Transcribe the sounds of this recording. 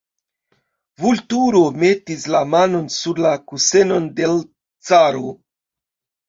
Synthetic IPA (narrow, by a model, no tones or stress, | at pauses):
vultuɾo̞me̞tislamano̞nsuɾlakuse̞no̞nde̞l | t͡saɾo